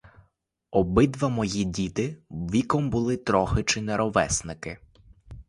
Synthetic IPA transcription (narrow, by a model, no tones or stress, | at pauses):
ɔbɪd̪ʋɐmɔjidʲit̪ɪʋʲikɔmbʊlˠɪt̪ɾɔxɪt͡ʃɪnɛɾɔʋɛsnɪkɪ